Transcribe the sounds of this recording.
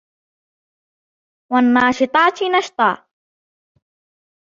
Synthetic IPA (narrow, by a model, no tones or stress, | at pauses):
wanːɑːʃɪt̪ˤɑːt̪nɑʃt̪ˤɑ̰ː